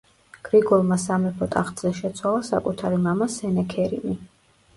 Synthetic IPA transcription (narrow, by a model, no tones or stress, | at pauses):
ɡ̥ɾiɡɔlˠmasamɛpʰɔt̪ʼaχt̪ʼz̥ɛʃɛt̪sʰwalˠasa̰kʼut̪ʰaɾimamasɛnɛkʰɛɾḭmi